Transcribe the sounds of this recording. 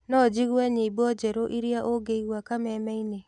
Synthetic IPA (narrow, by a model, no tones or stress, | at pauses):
nɔd͡ʒiɣwɛɲebɔd͡ʒɛɾoʔiɾjaʔoɡeiɣwakamɛmɛine